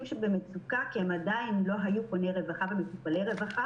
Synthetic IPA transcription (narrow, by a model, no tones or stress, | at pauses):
mʃebemet͡sukakiemadainlo̞ɦajukonejʁe̞vaχabemet͡supalejʁe̞vaχa